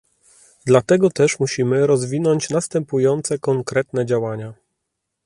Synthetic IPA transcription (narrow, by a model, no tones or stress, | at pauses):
d̪lat̪ɛɡɔt̪ɛʂmuɕimɘɾɔzvʲinɔɲt͡ɕnast̪ɛmpujɔnt̪sɛkɔŋkɾɛt̪nɛd͡ʑawaɲa